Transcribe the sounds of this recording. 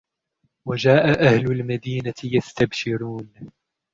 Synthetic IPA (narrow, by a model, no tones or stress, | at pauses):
wad͡ʒaːʔaʔahlʊlmad̪iːnat̪ɪjast̪abʃɪɾuːn